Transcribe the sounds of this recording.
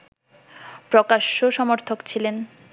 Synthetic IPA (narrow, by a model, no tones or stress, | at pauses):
pɾokaʃːoʃɔmoɾt̪ʰokt͡ɕʰilen